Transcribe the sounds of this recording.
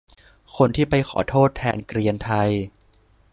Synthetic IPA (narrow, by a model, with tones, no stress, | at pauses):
kʰo˧nt̪ʰiː˥˩pa˧jxʰɔ̰ː˩˦t̪ʰoː˥˩t̪ʰːɛː˧nkɾi˧ənt̪ʰa˧j